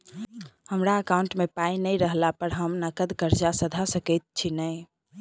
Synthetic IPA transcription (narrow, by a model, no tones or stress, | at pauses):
həmɾaəkaʊɳʈmepainəjɾəɦlapəɾɦəmnəkəd̪kəɾd͡ʒasəd̪ʱasəkɛt̪̚t͡ʃʰinəj